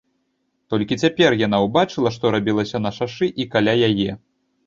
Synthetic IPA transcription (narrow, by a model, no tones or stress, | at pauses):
t̪ɔlʲkʲit͡sʲapʲɛrjan̪awbat͡ʂɨlˠɐʂt̪ɔɾabʲilˠɐsʲɐnɐʂaʂɨʔikalʲajajɛ